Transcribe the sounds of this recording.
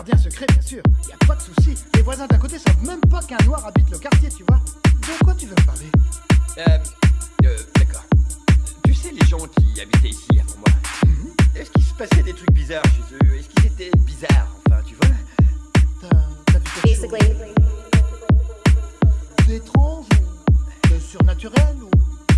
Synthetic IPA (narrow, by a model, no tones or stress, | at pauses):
ʁb̪jɛ̃s̬əkχebjɛ̃syːʁiljapad̪əsusilevwazɛ̃d̪ɛ̃kot̪esavmɛmpakɛ̃nwaʁabit̪ləkaʁt̪jet̪yvwad̪əkwat̪yvøpaʁle | ød̪akɔːʁ | t̪ysɛleʒɑ̃kʲia̰bit̪ɛisia̰smɔ̃mwa̰ | ɛskʲisə̥pasɛd̪et̪χyk̚bizaʁʃezøɛskizet̪ɛbizaːʁɑ̃fɛ̃t̪yvwa | t̪at̪ap̪it̪ɛ | d̪et̪χɑ̃ʒ | əsyʁnat̪yʁɛlu